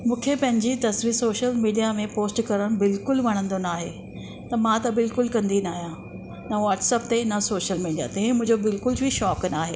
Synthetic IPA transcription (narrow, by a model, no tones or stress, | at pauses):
mũːkʰepɐ̃ɦɪ̃ɲd͡ʑit̪ɐsʋiːɾsoːʃəlmiːɖijamẽpoːsʈkɐɾəɽ̃bɪlkʊlʋɐɽ̤̃ə̃nd̪onaːɦḛː | t̪ɐmãt̪ɐbɪlkʊlkɐ̃nd̪inaːɦijã | nɐʋɔːʈsəp̚t̪eɪnɐsoːʃəlmiːɖija̰t̪ɐɦẽmʊ̃ɦɪ̃ɲd͡ʑobɪlkʊlbʱiʃɔːknaːɦeː